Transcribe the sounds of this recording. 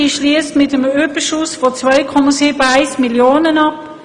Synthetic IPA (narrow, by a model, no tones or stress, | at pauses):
iʃliəstmɪtəmøbəʃʊsfɔt͡svœʏkʰɔmɑsiːbəaɪsmiljoːnənɑp